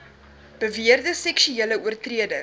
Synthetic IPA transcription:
b̥əviərdəsɛkʃyeələuərtriədə

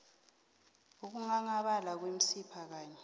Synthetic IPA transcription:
uk̬uŋaŋaɓalak̬wem̩sipʰak̬aːɲɛ

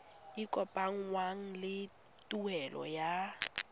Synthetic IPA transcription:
ikʼɔpʼaŋ̩waŋ̩lɪ | tʼuɛlɔ̰ja

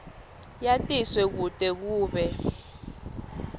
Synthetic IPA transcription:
jatʼiswɛk̬utʼɛk̬uːɓɛ

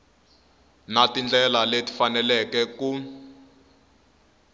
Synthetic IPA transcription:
natind͡ɮɛlaleti̥fanɛlɛkɛku

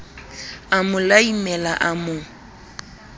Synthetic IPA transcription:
amʊlaimɛlaʔamʊ

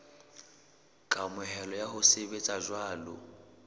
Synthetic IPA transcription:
kʼamʊɦɛlɔjaɦʊsebet͡sʼaʒwaːlʊ̰

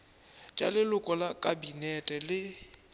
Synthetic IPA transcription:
t͡ʃʼa̰lɪlʊkʼɔlakʼabinɛtʼɛlɪ

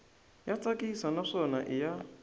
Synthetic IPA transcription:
jat͡sʰʼakʼisanaʂɔnaʔɪja

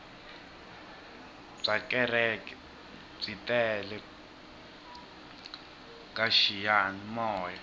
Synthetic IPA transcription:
b͡ʐakɛrɛk | b͡ʐitʼɛlɛ | kaʃijanimɔːja

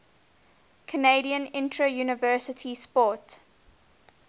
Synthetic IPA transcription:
kʰəneɪɾiə̃nɪ̃ntʰɹəjuːnɪvɜːˑsətʰispɔˑt

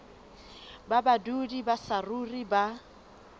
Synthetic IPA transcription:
babadudibasaruriba

